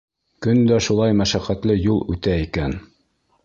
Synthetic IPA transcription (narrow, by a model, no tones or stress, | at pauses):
kɵnd̪æʃulˠɑjmæʃæqæt̪lɘjulˠʉt̪æikæn